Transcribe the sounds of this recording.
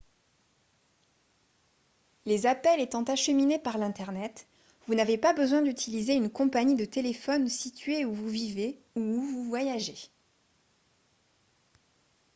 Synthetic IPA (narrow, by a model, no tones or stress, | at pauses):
lezapɛlet̪ɑ̃t̪aʃəminepaʁlɛ̃t̪ɛʁnɛt̪ | vunavepabəzwɛ̃d̪yt̪ʰilizeynkɔ̃paɲid̪ət̪elefɔnsit̪ɥeuvuvive | uːvuvwajaʒe